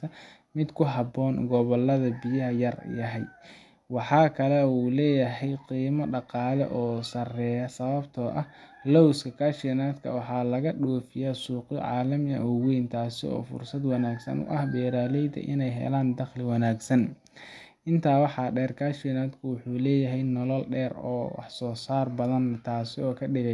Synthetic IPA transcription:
t̪ʰɐ | mɪd̪kʰʊɦɑbɔːnɡɔβɔlːɐðɐbɪjɐɦɐjɐrjɐɦɛj | wɑħɑːkʰɐlɛuːlɛːjɐɦɛjqiːmɐɖɑqɑːlɛ̰ʔɔːsɐrɛːjɐsɐβɐbt̪ʰɔʔɐh | lɔwskʰɐkʰaːʃnaːd̪kʰɐ̰wɑħɑːlɐɣɐɗɔːfɪjaːsuːqɪʕɑ̰ːlɐmjɐʔɔwɛjnt̪ʰaːsɪ̰ɔ̰ːfʊ̰rsɐd̪wɑnaːɡsɐ̰nʊ̰ʔɐhbɛːɾaːlɛjd̪ɐ̰ʔɪnɛjɦɛ̰laːnd̪ɐxlɪwɑnaːɡsɐn | ʔɪnt̪ʰaːwɑħɑɖɛːrkʰaːʃɪnaːd̪kʰʊwʊħuːlɛːjɐɦɛjnɔlɔlɖɛːrɔ̰ːwɑ̰ħsɔːsaːrbɐðɐnt̪ʰaːsɪɔːkʰɐɖɪɣɛ

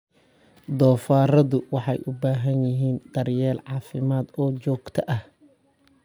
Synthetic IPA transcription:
d̪ɔːfaːrɐðʊwɑħɑjʔʊbaːɦɐnjɪɦiːnd̪ɐrjɛːlʕɑːfɪmaːd̪ɔːt͡ʃɔːɡt̪ʰɐʔɐh

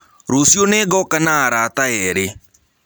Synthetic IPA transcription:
ɾoːsijoneːɡɔkanaaɾaːt̪aɛːɾe

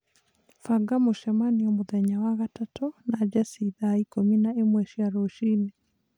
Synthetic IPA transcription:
faɡamoʃɛmaniomoðɛɲawaɣatatʰonad͡ʒasiðaikominaemwɛʃiaɾoʃine

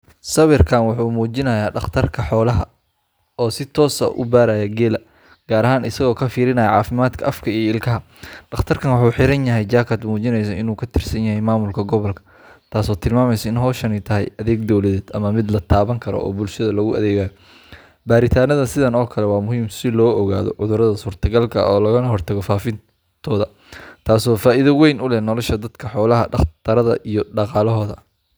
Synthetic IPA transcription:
sɐβɪrkʰaːnwɑħuːmuːt͡ʃɪnɐjaːɖɑχt̪ʰɐrkʰɐħɔːlɐɦɐ | ɔːsɪt̪ʰɔːsɐ̰ʔʊ̰baːɾɐjɐɡɛːlɐ | ɡ̥aːɾɐɦaːnɪsɐɣɔːkʰɐfiːɾɪnɐjɐʕɑːfɪmaːd̪kʰɐʔɐfkʰɐiːjɪlkʰɐɦɐ | ɖɑχt̪ʰɐrkʰɐnwɑħuːħɪɾɐnjɐɦɛjt͡ʃaːkʰɐd̪muːt͡ʃɪnɛjs̬ɐʔɪnuːkʰɐt̪ʰɪrsɐnjɐhɛjmaːmʊlkʰɐɡɔβɔlkʰɐ̥ | t̪ʰaːsɔːt̪ʰɪlmaːmɛjsɐɪnɦɔːʃɐnɛjt̪ʰɐɦɛ̰jʔɐðɛːɡd̪ɔwlɐðɛːd̪ɐmɐmɪd̪lɐt̪ʰaːβɐŋkʰɐɾɔ̰ʔɔ̰ːbʊlʃɐðɐlɐɣʊɐ̰ðɛːɣaːjɔ | baːɾɪt̪ʰaːnɐðɐsɪðɐnɔːkʰɐlɛwɑːmʊɦiːmsɪlɔːɔɣa̰ːðɔ̰ʕʊðʊɾɐðɐsuːrt̪ʰɐɡɐlkʰɐ̰ʔɔːlɐɣɐnɐɦɔrt̪ʰɐɣɔfaːfɪn | t̪ʰɔːðɐ | t̪ʰaːsɔːfaːʔɪðɐwɛjnʊlɛnɔlɔʃɐd̪ɐd̪kʰɐħɔːlɐɦɐɖɑχt̪ʰɐɾɐðɐ̰ʔijɔɖɑqɑːlɔɦɔːðɐ̰

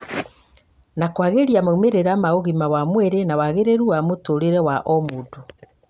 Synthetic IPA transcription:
nakwaɣeɾjamoumeɾeɾamaoɣimawamwɛɾenawaɣeɾeɾuamotoɾeɾɛwaʔɔmodu

